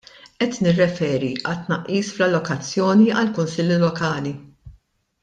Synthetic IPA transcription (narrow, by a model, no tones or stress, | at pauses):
ʔɛt̪nɪrːɛfɛːɾiʔɐt̪ːnɐʔːiːsflɐlːɔkɐt͡sːjɔːniʔɐlkʊnsɪlːlɔkɐːli